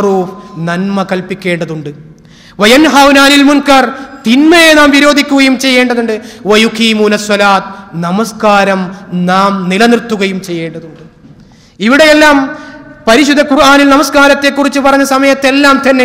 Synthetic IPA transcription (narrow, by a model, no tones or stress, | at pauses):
ruːfnɐnmɐkɐlpikʲːe̞ːɳɖɐðuɳɖɨ | ʋɐjɐnɦawnaːnilmunkɐrt̪inmɐjenaːmʋiɾo̞ːd̪ʱikʲːuɣɐjumt͡ɕe̞jːe̞ːɳɖɐðuɳɖɨʋɐjukiːmuːnɐswɐlaːt̪̚nɐmɐskaːɾɐmnaːmnilɐnirt̪ːuɣɐjumt͡ɕe̞jːe̞ːɳɖɐðuɳɖɨ | iʋiɽe̞jelːaːmpɐɾiɕud̪ʱːɐkurʔaːnilnɐmɐskaːɾɐt̪ːe̞kːurit͡ɕːɨpɐrɐɲːɐsɐmɐjɐt̪ːe̞lːaːmt̪ɐnːe